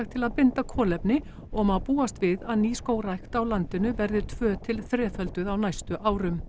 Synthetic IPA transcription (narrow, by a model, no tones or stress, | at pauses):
xt̪ʰɪlaðpɪnt̪akʰɔːlɛpnɪ | ɔɣmaðpuːast̪vɪðaðniːskoːwɾajxt̪awlant̪ɪnʏvɛɾðʏɾt̪ʰvœːt̪ʰɪlθɾɛːfœlt̪ʏðawnajst̪ʏʔaːwɾʏm